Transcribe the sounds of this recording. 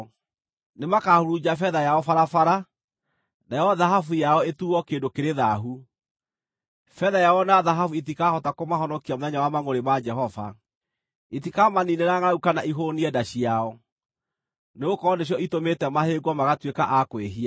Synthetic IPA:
nemakahoɾud͡ʑafɛðajaɔfaɾafaɾa | najɔðaɦafujaɔetuɔkeːndokeɾeðaɦu | fɛðajaɔnaðaɦafuitikahɔtakomaɦɔnɔkiamoðɛɲawamaŋoɾemad͡ʒɛɦɔva̰ | itikamanineɾaŋaɾaukanaʔiɦoniɛdaɕiaɔ | neokɔneɕ̬jɔʔitometɛmaheɡwɔmaɣatwekaʔakweɦia

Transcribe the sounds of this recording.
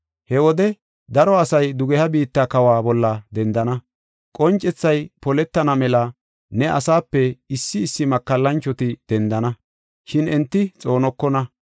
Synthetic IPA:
hɛwɔd̪ɛ | d̪ɐɾɔɐsɐjd̪ʊɡɛhɐbiːt̪ːakɐwaːbɔlːɐd̪ɛnd̪ɐnɐ | kʼɔnt͡ʃʼːɛt͡sːɐjpɔlɛt̪ːɐnɐmɛlɐ | nɛʔɐ̰saːpːɛɪsːɪːsːɪmɐkːɐlːɐnt͡ʃːɔt̪ɪd̪̥ɛnd̪ɐnɐ | ʃɪnɛnt̪ːɪt͡sʼo̞ːnɔkːɔnɐ

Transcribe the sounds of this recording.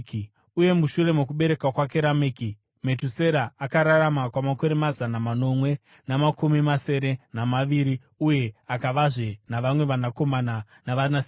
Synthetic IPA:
uje̞muʃure̞mok̬uɓe̞ɾe̞kakwak̬e̞ɾameki | me̞tuse̞ɾaakaɾaɾamakwamako̞ɾemazanamano̞mwe̞ | namakumimase̞ɾe̞namaʋiɾi | uje̞akaʋaʐenaʋamwe̞ʋanako̞mana | naʋanas

